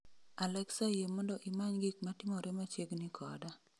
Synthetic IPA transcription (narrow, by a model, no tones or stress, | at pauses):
alɛksajemɔndɔʔɪmaɲɡik̚matɪmɔɾɛmat͡ʃeɡnikʰɔ̰da